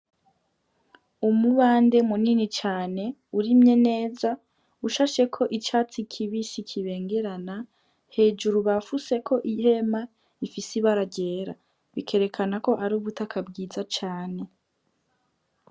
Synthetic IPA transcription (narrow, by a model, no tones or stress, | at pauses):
umuβaːnde̞muninit͡ʃaːne̞uɾimɲe̞ne̞ːza | uʃaːʃe̞kʰo̞ʔit͡ʃaːt͡sikʰiβisikʰiβe̞ːŋɡe̞ɾana | he̞ːd͡ʒuɾuβafuse̞kʰo̞ʔihe̞ma | ifisiβaɾaɟe̞ːɾa | βikʰe̞ɾe̞kʰanako̞ʔaɾuːβutakʰabɡiːzat͡ʃaːne̞